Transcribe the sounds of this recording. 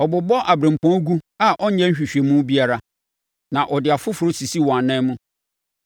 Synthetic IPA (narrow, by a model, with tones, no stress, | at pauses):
ɔ˨bʊ˨bɔ˦ʔa˨bɾẽ˨m̩˨pʰɔ̃˦ɡu˦a˦ʔɔ˦ɲ̩˦ɲɛ̃˦ɲ̩˦ɕᶣi˨ɕᶣe˨mũ˦bi˦a˦ɾa˨ | nã˨ʔɔ˨dɪ˨a˨fʊ˦fʊ˨ɾo˦si˨si˦wɔ̃˨a˨nɛ̃˦mũ˦